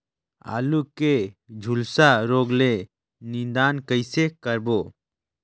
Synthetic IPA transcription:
a̰ːluked͡ʒʱulsaɾoːɡle | nĩnd̪aːnkəɪsekəɾbo

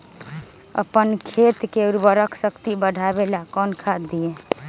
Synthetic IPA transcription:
ə̰pənkʰet̪keuɾbəɾəkʰsəkt̪ibəɽʱabelakɔnkʰad̪ie

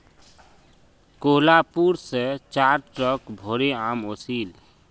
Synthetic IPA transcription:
koːlapuɾset͡ʃaːɾt͡ʃɔkbʱoɾeaːmosiːl

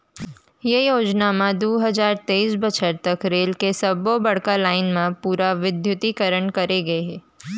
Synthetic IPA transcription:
jejoːd͡ʒnamãd̪oːɦɐzaːɾt̪eiːsbɐt͡ʃʰəɾt̪ɐkɾeːlkesɐbobɐɽ̤kalaːɪnmãpuːɾaʋɪd̪jʊt̪ikəɾəɳkɐɾeɡɐeɦɛ̃ː

